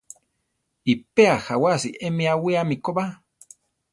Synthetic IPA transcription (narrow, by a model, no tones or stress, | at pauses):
ipeaxawasiʔemiawiamikoba